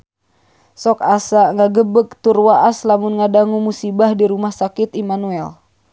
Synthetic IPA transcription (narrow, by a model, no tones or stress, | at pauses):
sɔkasaŋaɡəbək̚t̪urwaʔaslamunŋadaŋumusibahdiɾumahsakit̪imanuɛl